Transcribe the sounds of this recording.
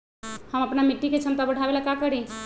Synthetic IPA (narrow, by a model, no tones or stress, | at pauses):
həmɐpnamɪʈːiket͡ʃʰəmt̪abəɽ̤ʱaʋelakakəɽĩ